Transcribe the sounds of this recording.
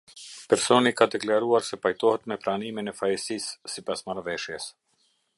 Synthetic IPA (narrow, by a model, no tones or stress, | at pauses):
pɛɾsɔnikad̪ɛklaɾuaɾsɛpajt̪ɔhɛt̪mɛpɾaniminɛfajɛsisːipasmaɾvɛʃjɛs